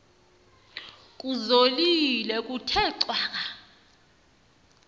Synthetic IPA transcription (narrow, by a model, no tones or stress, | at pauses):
kʼuzolilɛkʼutʰɛǀwaːk̬a